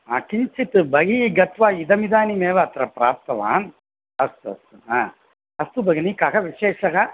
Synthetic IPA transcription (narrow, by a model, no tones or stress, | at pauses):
ɐ̰kiɲt͡ʃit̪ɨbɐɡiɡɐt̪ʋaːid̪ɐmid̪aːnimeːʋɐːt̪ɾɐpɾaːp̚t̪ɐʋa̰ːn | ɐst̪uɐ̰st̪uaː | ɐst̪ubɐɡinikaːɣɐʋiʃeːʃɐɣɐ